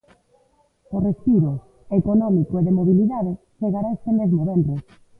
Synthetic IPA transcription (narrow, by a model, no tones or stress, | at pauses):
orespiɾʊ | ekonɔmikoeðemoβiliðaðɪ | t͡ʃeɣaɾaest̪emezmoβɛmbɾe